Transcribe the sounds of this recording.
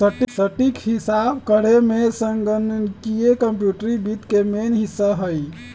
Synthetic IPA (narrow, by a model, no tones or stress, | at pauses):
səʈsəʈikɦisabkəɽ̤emesəŋɡənənkijekəmpjuʈɾibit̪kemenɦisəɦəj